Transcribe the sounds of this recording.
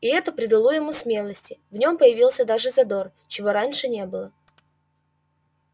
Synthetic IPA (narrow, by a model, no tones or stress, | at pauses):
ɪɛt̪əpɾʲɪd̪ɪlˠojɪmusmʲe̞lˠəsʲtʲɪvnʲo̞mpəjɪvʲilˠsʲəd̪aʐɨzɐd̪o̞r | t͡ɕɪvo̞ɾanʲʂɨnʲe̞bɨlˠə